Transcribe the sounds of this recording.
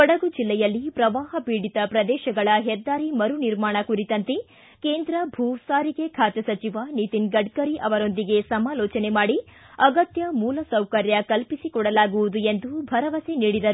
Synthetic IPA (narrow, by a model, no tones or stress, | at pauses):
kɔɽɐɡud͡ʒilːɛjɐlːipɾɐʋaːɦɐpiːɽit̪ɐpɾɐd̪ɛːʃɐɡɐɭɐɦɛd̪ːaːɾimɐɾuniɾmaːɳɐkuɾit̪ɐnt̪e | keːnd̪ɾɐbʱuːsaːɾikekʰaːt̪ɐsɐt͡ʃiʋanit̪inɡɐɖ̚kɐɾiʔɐʋɐɾo̞nd̪iɡe̞sɐmaːlɔːt͡ʃɐnemaːɽi | ɐɡɐt̪jɐmuːlɐsɐwkɐɾjɐkɐlpisikɔɽɐlaːɡuʋud̪ue̞nd̪ubʱɐɾɐʋɐseniːɽid̪ɐɾu